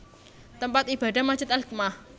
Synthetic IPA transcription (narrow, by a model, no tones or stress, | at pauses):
t̪əmpat̪ib̥a̤ɖa̤mḁd͡ʒɪt̪ɛlk̚mah